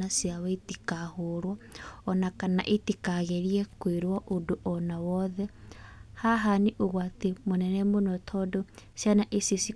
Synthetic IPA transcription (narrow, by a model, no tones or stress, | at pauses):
asjawaitikahoɾwaɔnakana̰ʔetikaɣeɾiɛkweɾwaʔodoʔɔnawɔðɛhaɦaniʔoɣwatemonɛnɛmonɔtʰɔdosjanaʔesisi